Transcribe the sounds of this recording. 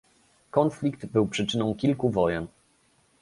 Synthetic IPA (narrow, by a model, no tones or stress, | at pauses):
kɔnflʲikt̪bɘwpʂɘt͡ʂɘnɔ̃w̃kʲilkuvɔjɛn